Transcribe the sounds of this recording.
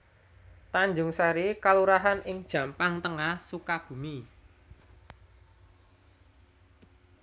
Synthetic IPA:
t̪aɲd͡ʒʊŋsaɾikaluɾaɦanʔɪŋd̥ʒ̥ä̤mpaŋt̪əŋahsukab̥ṳmi

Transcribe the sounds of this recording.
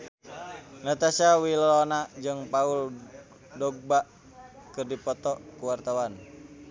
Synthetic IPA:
nat̪asawillɔnad͡ʒɨŋpaul | dɔɡ̚baʔ | kɨrdipɔt̪ɔkuwart̪awan

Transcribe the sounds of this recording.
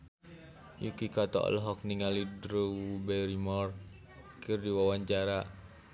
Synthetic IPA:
jukikat̪ɔɔ̰lɔɦɔk̚niŋalidɾubɛɾimɔr | kʰɨrdiwawaɲt͡ʃaɾa

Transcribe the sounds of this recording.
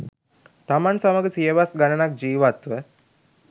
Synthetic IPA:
t̪amansaməɡəsijəʋasɡanənak̚d͡ʒiːʋat̪ʋə

